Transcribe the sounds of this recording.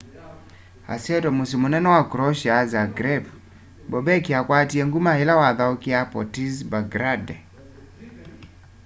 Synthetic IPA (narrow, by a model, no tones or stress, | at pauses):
a̰siɛtɔmusimonɛnɔwakuɾɔʃazaɡɾɛb | bɔbɛkiakwatieŋɡumahelawaðaokɪapɔtizbaɡɾadɛ